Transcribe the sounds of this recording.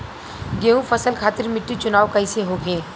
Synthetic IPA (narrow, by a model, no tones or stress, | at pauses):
ɡeːũfʰɐsəlkʰaːt̪ɪɾmɪʈːit͡ʃʊnaːwkɐɪseɦoːɡeː